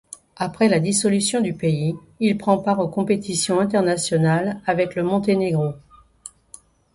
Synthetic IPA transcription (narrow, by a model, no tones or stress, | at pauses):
apχɛlad̪isɔlysjɔ̃d̪ypei | ilpχɑ̃paʁokɔ̃pet̪ʰisjɔ̃ɛ̃t̪ɛʁnasjɔnalavɛkləmɔ̃t̪eneɡʁo